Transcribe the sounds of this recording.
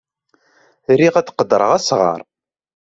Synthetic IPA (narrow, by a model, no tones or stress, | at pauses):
ɾiʁæt͡s̪qəd̪ːəɾˤəʁæsʁə̰ɾˤ